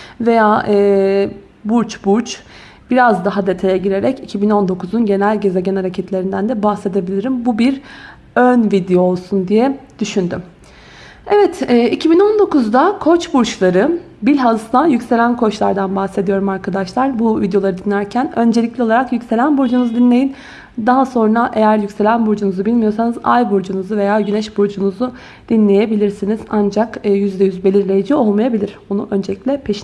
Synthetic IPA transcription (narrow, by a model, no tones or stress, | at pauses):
ve̞jaːʔɯː | buɾt͡ʃbuɾt͡ʃ | b̥iɾazd̪aɦad̪et̪ʰe̞jɛɟiɾe̞ɾɛcicʰibino̞nd̪o̞kʰuzunɟe̞nælʲɟe̞ze̞ɟænaɾacʰɛt̪lʲe̞ɾind̪ænd̪ɛbahse̞d̪e̞bilʲiɾimbubiɾ | ønvid̪ejoːlˠsund̪ijɛd̪̥yʃynd̪ym | ɛvɛt̪ʰɛːʔicʰibino̞nd̪o̞kuzd̪akʰo̞t͡ʃbuɾt͡ʃlˠaɾɯ | bilʲɦazt̪ajycʲse̞lʲænkʰo̞t͡ʃlˠaɾd̪anbahse̞d̪ijo̞ɾumaɾkʰad̪aʃlˠaɾbuvid̪jo̞lˠaɾɯd̪inlʲæɾcʰænø̞nd͡ʒelʲiclʲɛo̞lˠaɾakjycse̞lʲænbuɾd͡ʒunuzud̪inlʲe̞jin | d̪aɦaso̞nɾaʔejæɾjycse̞lʲænbuɾd͡ʒunuzubilʲmijo̞ɾsanɯza̰jbuɾd͡ʒunuzuve̞jaːɟynɛʃbuɾd͡ʒunuzu | d̪̥inlʲe̞je̞bilʲiɾsinizand͡ʒakɯːjyzd̪ɛjyzbelʲiɾlʲejid͡ʒio̞lˠmajabilʲiɾ̥bonuʔønd͡ʒelʲicʲlʲɛpʰeʃ